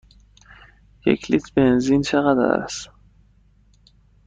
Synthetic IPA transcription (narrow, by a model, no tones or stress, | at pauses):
jḛcʰlit̪ʰbe̞nzint͡ʃʰeɣæd̪æ̰ɾæ̰s